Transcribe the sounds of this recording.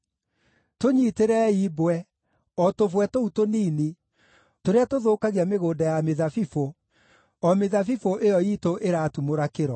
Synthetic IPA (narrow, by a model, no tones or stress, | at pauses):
toɲiteɾɛiːbwɛ | ɔtovwɛtoutoniːni | toɾeatoðoːkaɣiameɣoːndajameðafifo | ɔmeðafifoʔejɔiːtoʔeɾatumoɾakeɾɔ